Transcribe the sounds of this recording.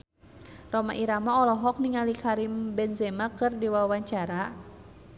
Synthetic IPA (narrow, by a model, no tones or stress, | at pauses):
rɔma̰ʔiɾamaɔlɔɦɔk̚niŋalikaɾimbɛnzɛmakɨrdiwawaɲt͡ʃaɾa